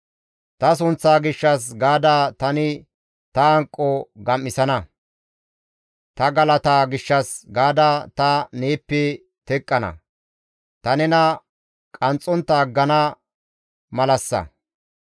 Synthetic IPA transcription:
t̪ɐs̬ʊnt͡sːaːɡɪʃːɐsɡaːd̪aːt̪ɐnɪ | t̪ɐɐŋkʼːɔɡɐmːɪsɐnɐ | t̪ɐɡɐlɐt̪aːɡɪʃːɐsɡaːd̪aːt̪ɐneːpːɛ | t̪ɛkʼːɐnɐ̰ | t̪ɐnɛnɐ | kʼɐnt͡sʼːɔnt̪ːɐːɡːɐnɐ | mɐlɐsːɐ̰

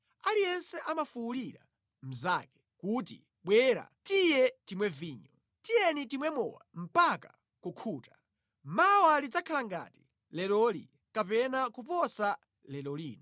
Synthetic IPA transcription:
alijɛnsɛʔamafuuliɾa̰ | m̩za̰kɛ̥ | kutḭ | ɓwɛɾa̰tijɛtimwɛviːɲɔ | tijɛnitimwɛmɔ̰wa̰m̩paka | kukʰuːta | mawalid͡zakʰalaŋɡa̰ti̥ | lɛlɔlḭ | kapɛnakupɔsa | lɛlɔliːnɔ

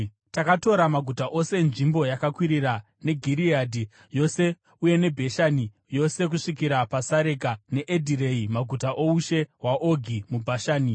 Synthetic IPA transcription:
takato̞ɾamaɡʱutaʔo̞se̞nʐimbo̞jakakwiɾiɾa | ne̞ɡʱiɾiaːdʱi | jo̞se̞ | uje̞ne̞bʱeʃani | jo̞se̞k̬uʂikiɾapasaɾe̞kane̞ʔedʱiɾe̞imaɡʱutaʔo̞uʃe̞ɦwaʔoɡʱimubʱaʃaːni

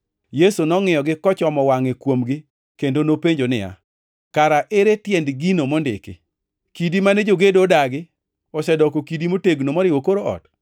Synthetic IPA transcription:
jesonɔŋɪjɔɡɪkɔt͡ʃɔmɔwaŋekwomɡɪ | kendonopeɲd͡ʒonɪ̰ja̰ | kaɾaʔeɾetjɛndɡinomɔndɪ̰kɪ̰ | kidimanɛd͡ʒoɡedodaɡɪ | ɔsɛdɔkokidimoteɡnomɔɾɪwokoɾoɔ̰t

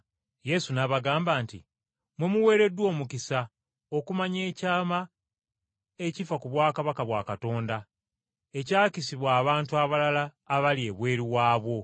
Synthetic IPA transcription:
je̞sunaβaɡaːmbaːntḭ | mwemuwe̞ːɾe̞dːwo̞ːmukisa | o̞kumaɲe̞ːcaːma | e̞cifakuβwaːkaβakaβwa̰ːkato̞ːnda | e̞caːcisiβwaːβaːntuaβalalaː | βalie̞βwe̞ːɾiwaːβwo̞

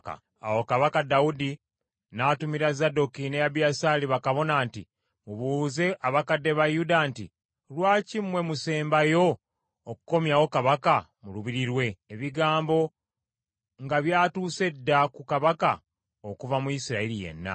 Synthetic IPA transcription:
a̰ | a̰wo̞kaβakadaudi | naːtumiɾazado̞kinejaβjasaːliβakaβo̞naːnti | muβuze̞ʔaβakadːe̞βajudanti | lwaːcimwe̞muse̞ːmbajo̞ː | kuko̞mjawo̞kaβakamuluβiɾiɾwe̞eβiɡaːmbo̞ | ŋɡaβjaːtuːse̞dːakukaβaka | okuvamuisiɾaeɾije̞̰nːa̰

